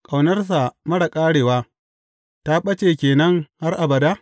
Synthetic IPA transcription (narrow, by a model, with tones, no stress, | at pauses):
kʼa˨wnɐ˦rs̬a˨mɐ˦ɽɐ˨kʼaː˦ɽeː˨waː˦ | ta˦ɓɐ˦t͡ʃe˨kʲeː˨nɐ˦ŋha˦rʔa˨bɐ˨daː˦